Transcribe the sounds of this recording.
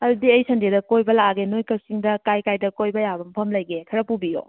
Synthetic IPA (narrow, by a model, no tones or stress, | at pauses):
ɐdudiɐjsɐndedɐkojbɐlaɡenojkɐsiŋdɐkajkajdɐkojbɐjabɐmpʰɐmlɐjɡekʰɐɾɐpubijo̰